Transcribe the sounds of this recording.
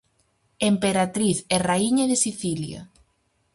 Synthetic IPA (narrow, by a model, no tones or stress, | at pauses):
empeɾat̪ɾiθɛraiɲaðesiθilja̰